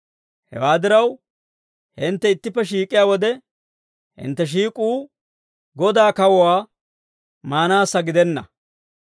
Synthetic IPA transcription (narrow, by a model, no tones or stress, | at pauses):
hɛ̰waːd̪ɪɾɐw | hɪnt̪ːɛɪt̪ːɪpːɛʃiːkʼɪjaːwɔd̪ɛ | hɪ̰nt̪ːɛʃ̬iːkʼuː | ɡɔd̪aːkɐwɔwaː | maːnaːsːɐɡɪd̪ɛnːɐ